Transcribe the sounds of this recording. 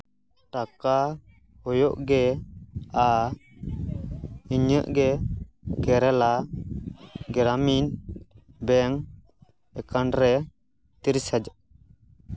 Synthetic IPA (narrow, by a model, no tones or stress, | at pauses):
ʈaka | hɔjɔʔɡɛ | a | iɲəʔɡɛ | ɡɛɾɛla | ɡɛɾamin | bɛŋ | ɛkanɾɛ | t̪iɾsad͡ʒaʔ